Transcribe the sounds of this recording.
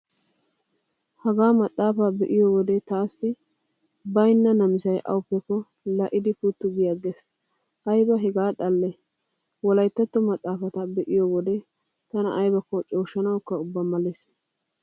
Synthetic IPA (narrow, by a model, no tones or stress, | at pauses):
hɐɡaːmɐt̪ʼːaːfabɛʔɪjɔwɔd̪ɛt̪aːsːɪ | bɐjnːɐnɐmɪsɐjʔɐ̰wʊpːɛkːɔ | lɐʔɪd̪ɪfʊt̪ːʊɡɪjaɡes | ʔɐjbɐɦɛɡaːᶑ̪ʼɐlːɛ | wɔlɐjt̪ːɐt̪ːɔmɐt̪ʼːaːfɐt̪ɐbɛʔɪjɔwɔd̪ɛ | t̪ɐnɐ̰ʔːjbɐkːɔt͡ʃʼoːʃːɐnɐwkːɐʊbːɐmɐlːɛs